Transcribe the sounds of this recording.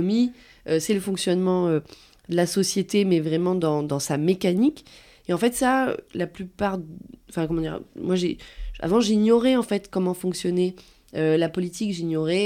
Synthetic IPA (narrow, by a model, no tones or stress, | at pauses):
mi | øsɛləfɔ̃ksjɔnmɑ̃ø | d̪əlasɔsjet̪emɛvʁɛmɑ̃d̪ɑ̃d̪ɑ̃samekanik | eɑ̃fɛt̪saø̰laplypaʁɑ̃fɛ̃kɔmɑ̃d̪iʁmwaʒea̰vɑ̃ʒinjɔʁɛɑ̃fɛt̪kɔmɑ̃fɔ̃ksjɔnɛ | ølapɔlit̪ikʒiɲjɔʁɛ